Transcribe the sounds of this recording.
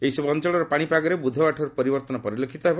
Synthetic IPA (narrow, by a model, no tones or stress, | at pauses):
eɦisɔbɔnt͡ʃɔɭɔɾɔpaɽ̃ipaɡɔɾebud̪ʱɔbaʈʰɔɾupɔɾibɔɾt̪ɔnɔpɔɾilekʰit̪ɔɦebɔ